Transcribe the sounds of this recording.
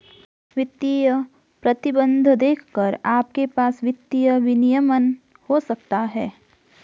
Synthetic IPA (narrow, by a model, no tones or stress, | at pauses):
ʋɪt̪ːijə | pɾɐt̪ɪbə̃nd̪ʱd̪eːkʰkəɾaːp̚kepaːsʋɪt̪ːijəʋɪnijəmən | hosɐk̚t̪aɦɛː